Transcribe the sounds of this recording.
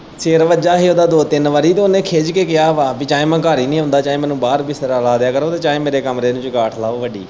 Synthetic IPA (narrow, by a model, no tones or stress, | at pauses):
t͡ʃeːɾʋəd͡ʒaːɦiːoːd̪aːd̪oːt̪ɪnʋəɾiːt̪oːnẽːkʰeːd͡ʒkeːkɪjaːʋaːbiːt͡ʃaːẽːmãːkaːɾiːnĩːɦʊ̃nd̪aːt͡ʃaːẽːmɛ̃ːnũːbaːɾbiːsɾaːlaːd̪jaːkəɾoːt̪eːt͡ʃaːẽːmeːɾeːkəmɾeːnũːt͡ʃkaːʈʰlaːoːʋəɖḭː